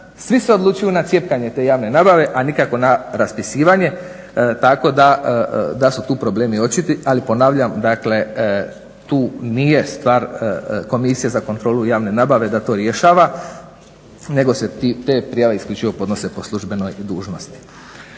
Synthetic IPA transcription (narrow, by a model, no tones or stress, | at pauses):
sʋiseo̞d̪lˠuːt͡ʃujunat̪sje̞pkaɲe̞t̪e̞ːjaːʋne̞naːbaʋe̞ʔanikako̞naɾaspisiːʋaɲe̞ | t̪ako̞d̪ad̪asut̪uːpɾo̞ble̞ːmio̞t͡ʃit̪iʔalipo̞naːʋʎamd̪akle̞ | t̪uːnije̞st̪ʋaːɾko̞misijazako̞nt̪ɾo̞ːlujaːʋne̞naːbaʋe̞d̪at̪o̞ːɾje̞ʃaːʋa | ne̞ɡo̞set̪it̪e̞ːpɾijaʋeisklʲʎut͡ʃiʋo̞po̞d̪no̞se̞po̞slˠuʒbe̞no̞jd̪uːʒno̞st̪i̥